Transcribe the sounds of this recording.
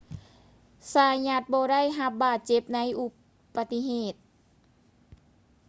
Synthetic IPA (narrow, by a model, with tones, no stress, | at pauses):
saː˧˩ɲa˧t̪̚bɔː˧ɾa˥˩˨jɦa˧˦p̚baː˧˩t̪̚t͡ɕe˧˦p̚na˧˥jʔu˧˦ | pːa˧t̪i˧ɦeː˧˩t̪̚